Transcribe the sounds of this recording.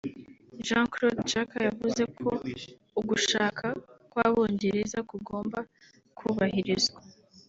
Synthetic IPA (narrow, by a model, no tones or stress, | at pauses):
ʒãkɾod̪d͡ʒakajavuze̞kʰo̞ | uɡuʃaːkʰakwaβo̞ːɲɟe̞ɾezakuɡo̞ːmba | kʰuβahiɾizɡwa